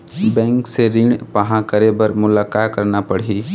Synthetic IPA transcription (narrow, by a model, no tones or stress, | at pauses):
bɛ̃ːŋkseɾiɳpəɦãkəɾebəɾmʊlakaːkəɾnapəɽ̤i